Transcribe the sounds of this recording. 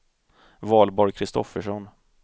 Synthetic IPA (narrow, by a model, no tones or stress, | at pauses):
vɑːlbɔɾjkʰɾɪst̪ɔ̰fːəʂɔn